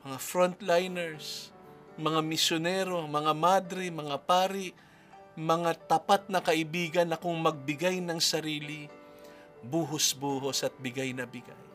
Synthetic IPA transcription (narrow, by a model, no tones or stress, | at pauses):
mɐŋafɾont̪lajnɛɹs | mɐŋamɪsjonɛːɾo̞mɐŋamad̪ɾɪmɐŋapaːɾɪʔ | mɐŋat̪ɐpat̪̚nɐkɐʔɪbiːɡɐnːɐkʊŋmɐɡ̚bɪɡajnɐŋsɐɾiːlɪ | buːɦosbuːɦosʔɐt̪̚bɪɡajnɐbɪɡa̰j